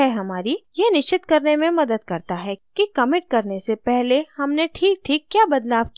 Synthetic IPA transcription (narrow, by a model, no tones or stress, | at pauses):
ɛɦɐmaːɾijenɪʃt͡ʃɪt̪kɐɾnemẽmɐd̪əd̪̚kɐɾt̪aɦɛkikɐmɪʈ̚kɐɾnesepɛɦlehɐmneʈʰiːk̚ʈʰiːkːjaːbɐd̪laːʋki